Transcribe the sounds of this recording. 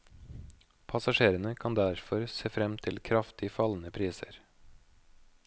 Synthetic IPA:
pʰɑsɑʃeːɾənəkʰɑnd̪æɾfɔɾseːfɾɛmt̪ʰɪlkʰɾɑft̪ɪfɑln̩əpʰɾiːsə̰ɾ

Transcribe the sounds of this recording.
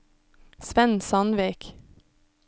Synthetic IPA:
sʋɛnsɑnʋiːk

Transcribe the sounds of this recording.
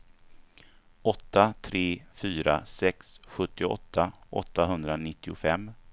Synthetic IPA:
ɔt̪ːat̪ʰɾeːfyːɾa̰sɛksɧɵt̪ːɪɔ̰t̪ʰːaʔɔ̰t̪ːaɦɵnd̪ɾanɪt̪ːɪʊfɛmː

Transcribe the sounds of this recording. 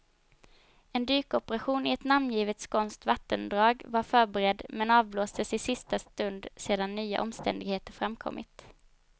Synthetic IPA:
ɛnd̪yːkɔpəɾaɧuːnɪɛt̪namnjiːvət̪skʰɔnst̪vat̪ːənd̪ɾɑːɡvaɾfœːɾbɛɾɛd̪mɛnɑːvloːst̪əsɪsɪst̪ast̪ɵnd̪seːd̪anːyːa̰ʔɔmst̪ɛ̰nd̪ɪɡheːt̪əɾfɾamkʰɔ̰mːʔɪ̰t̪

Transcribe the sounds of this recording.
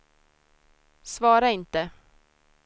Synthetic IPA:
svɑːɾaɪnt̪ə

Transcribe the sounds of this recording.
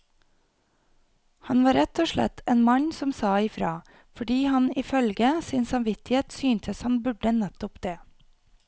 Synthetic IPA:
hɑnʋɑːɾɛt̪oːʃɭɛ̰t̪ʰeːnmɑɲsɔmsɑːɪfɾɑː | fɔɖiːhɑnɪfœlɡəsiːnsɑmʋɪt̪ɪheːt̪syːnt̪ʰəshɑnbʉɖənɛt̪ʊpd̪̥eː

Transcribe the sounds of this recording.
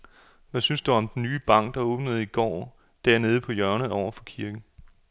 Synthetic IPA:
ʋæsynsd̥uɒ̽md̥enːyːb̥ɑ̈ŋ̰ɡ̥̚d̥ɑ̈ɔ̽ːb̥nəð̞̩ˠiɡ̥ɒ̰ː | d̥æɐne̝ːð̞ˠəpʰɒ̽jɶɐnəð̩ˠɒʊ̰ɐfɒ̽kʰiɐɡ̥n̩

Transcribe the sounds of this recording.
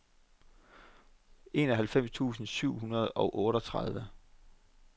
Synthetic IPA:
e̝ːnɒɦælfem̰st͡sʰṵːsn̩syʊ̰hunɐð̞ˠɒ̽ʊʔɔːɾɒt͡sʰʁað̞ˠʋə

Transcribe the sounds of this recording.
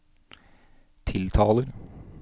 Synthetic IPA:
t̪ʰɪlt̪ʰɑːləɾ

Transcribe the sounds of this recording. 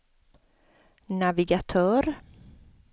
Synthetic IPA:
navɪɡat̪ʰœːɾ

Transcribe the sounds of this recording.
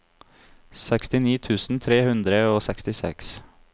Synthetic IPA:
sɛkst̪ɪniːt̪ʰʉːsn̩t̪ʰɾeːhʉnd̪ɾəoːsɛkst̪ɪsɛ̰ks

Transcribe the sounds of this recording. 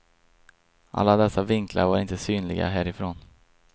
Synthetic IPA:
ʔa̰lːad̪ɛsːavɪŋkʰla̰ɾvaɾɪnt̪əsyːnlɪɡa̰ɦæːɾɪfɾoːn

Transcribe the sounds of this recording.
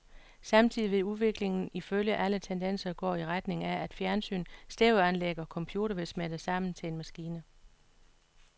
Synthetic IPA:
sɑ̈mt͡sʰiðˠiʋe̝uðˠʋe̝ɡ̥le̝ŋn̩iføljəʔælət͡sʰend̥en̰sɐɡ̥ɒ̰ːiʁad̥ne̝ŋææd̥fjæɐnsy̰ːnsd̥eʊænleɡ̥ɐɒkʰɒ̽mpʰjuːd̥ɐʋe̝smed̥əsɑ̈m̰n̩t͡sʰe̝enmæsɡ̥iːnə

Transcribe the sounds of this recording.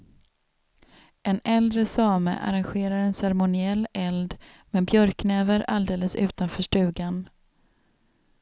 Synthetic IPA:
ʔɛnɛld̪ɾəsɑːmə̰ʔa̰ɾanɧeːɾaɾɛnsɛɾmʊnɪɛlːɛld̪ | mɛːbjœɾkːnɛːvəɾald̪eːləsʉ̟̰ːt̪anfœːʂʈʉ̟ːɡan

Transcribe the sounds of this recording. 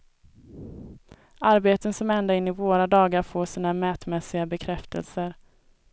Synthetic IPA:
aɾbeːt̪ənsɔmɛnd̪aɪnːɪvoːɾad̪ɑːɡaɾfoːʂiːnamɛːt̪mɛsɪɡabɛkʰɾɛft̪ʰə̰lsəɾ

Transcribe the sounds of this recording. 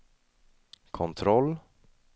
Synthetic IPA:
kʰɔnt̪ʰɾɔlː

